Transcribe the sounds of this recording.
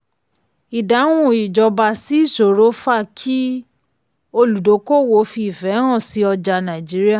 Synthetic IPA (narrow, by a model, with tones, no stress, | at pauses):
i˨da˨˦wũ˧˨i˨d͡ʒɔ˧ba˧si˨˦i˦˨ʃo˨ɾo˨˦fa˦˨kʰi˦ | o˧lu˨do˨˦ko˦˨wo˧˦fi˧˨fɛ˨˦ɦã˦˨si˨˦ɔ˧d͡ʒa˧nã˨d͡ʒi˨˦ɾi˦a˦˨